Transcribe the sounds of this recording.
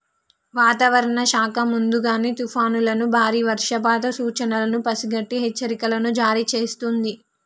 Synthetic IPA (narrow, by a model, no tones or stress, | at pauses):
ʋaːt̪ɐʋɐɾɐɳɐʃaːkɐmund̪uɡaːniːt̪upʰaːnulɐnubʱaːɾiːʋɐɾʂɐpaːt̪ɐsuːt͡ʃɐnɐlɐnupɐsiɡɐʈːiɦɛt͡ʃːɐɾikɐlɐnud͡ʒaːɾit͡ʃe̞ːst̪und̪i